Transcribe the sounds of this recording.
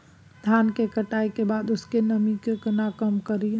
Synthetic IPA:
d̪ʱjankekəʈajkebad̪oskenəmikekənakəmkəɾi

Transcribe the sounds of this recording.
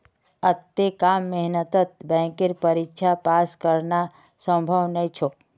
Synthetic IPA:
ət̪ːekamːeɦnət̪ət̪̚bɛ̃kɪɾpəɾikʃʰapaskəɾna | sə̃mbʱəʋnəĩt͡ʃʰo

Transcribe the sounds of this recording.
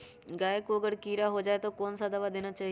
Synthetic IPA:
ɡaːjkoɐɡəɽkiːɾaɦod͡ʒaːet̪okɔːnsad̪ɐʋad̪eːñat͡ʃaːɦi

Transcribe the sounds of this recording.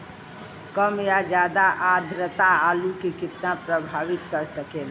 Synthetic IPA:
kəmjad͡ʒaːd̪aʔad̪ʱɾət̪aalukikɪt̪napɾəbʱaʋɪt̪kəɾsəkel

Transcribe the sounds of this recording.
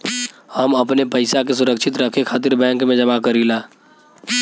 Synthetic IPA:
həmɐpnepəɪsakes̬ʊɾəkʃɪt̪ɾəkʰekʰaːt̪ɪɾbɛ̃ːŋkmẽd͡ʒɐmakəɾilaː

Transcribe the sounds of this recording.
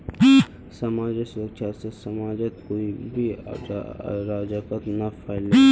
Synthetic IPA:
sɐmaːd͡ʒesʊɾəkt͡ʃʰasesɐmaːd͡ʒət̪koːibʱi | ɾaːd͡ʒakət̪nafʰaːɪle

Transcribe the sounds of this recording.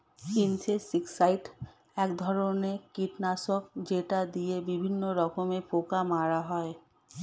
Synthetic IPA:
kint͡ɕʰesiksajʈ | ɛkd̪ʱɔɾonekiʈnasokd͡ʑeʈad̪iebibʱinːoɾɔkomepokamaɾaɦɔe

